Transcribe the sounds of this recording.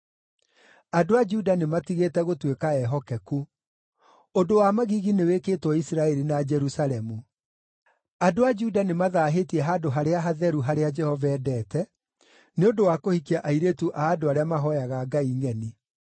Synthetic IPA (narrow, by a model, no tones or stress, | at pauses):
adoad͡ʒudanematiɣetɛɣotwekaɛɦɔkɛku | odowamaɣiɣinewekeːtwɔisiɾaɛɾinad͡ʒɛɾusalɛmu | adoad͡ʒudanemaðaːɦetiɛɦadoɦaɾeaɦaðɛɾuɦaɾead͡ʒɛhɔvɛːdɛːtɛ | neodowakohikiaʔaiɾetuʔaːdoaɾeamaɦɔjaɣaːɡaiŋɛni